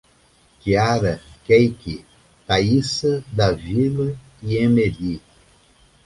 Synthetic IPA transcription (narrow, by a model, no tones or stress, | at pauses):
kiaɾɐkejki | t̪aisɐd̪ɐvilɐ | iẽmeli